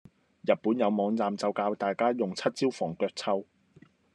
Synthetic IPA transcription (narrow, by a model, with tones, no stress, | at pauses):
jɐ˨t̚puː˨˥njɐ˨˧wmɔː˨˧ŋt͡saː˨mt͡sɐ˨˧wkaː˧wt̪aː˨jkaː˥jʊ˨ŋt͡sʰɐ˥t̚t͡siː˥wfɔː˨˩ŋkœː˧k̚t͡sʰɐ˥w